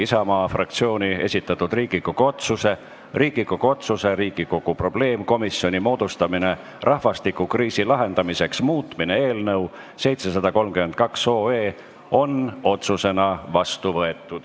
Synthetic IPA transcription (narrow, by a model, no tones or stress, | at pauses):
isɑmɑːfrɑk̚t̪sio̞ːnʲie̞sʲit̪ːˑɑt̪ːud̪riːɡikokoot̪suse̞ | riːɡ̥ikokot̪suse̞ɾiːɡ̥iko̞ɡ̥upro̞b̥le̞ːmko̞misjo̞nʲimo̞ːd̪ust̪ɑmine̞ | rʔɑhvɑst̪ikːˑukriːsilɑɦe̞nd̪̥ɑmise̞ksmuːt̪ˑmine̞eːlnɤw | se̞jt̪se̞sɑd̪ɑko̞lmkymen̚kɑkso̞ːeː | o̞no̞t̪suse̞nɑvɑst̪uvɤe̞t̪ːˑud̪̥